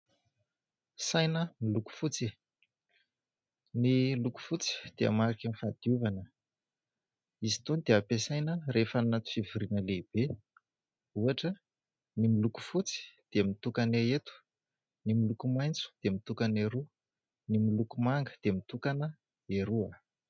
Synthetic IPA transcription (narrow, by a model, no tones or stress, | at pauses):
sajnəmiluku̥fut͡si | niluku̥fut͡si̥d̪̥ea̰maɾakanifad̪̥iuvanə | izi̥t̪onid̪eapesajnərefannat̪u̥fivuɾinəleb̥e | uaʈ͡ʂə | nimiluku̥fut͡si̥d̪̥emit̪ukaneet̪u̥ | nimilukumajnt͡su̥d̪̥emit̪ukaneɾu | nimilukumaŋɡə̥d̪̥emit̪ukanə | eɾua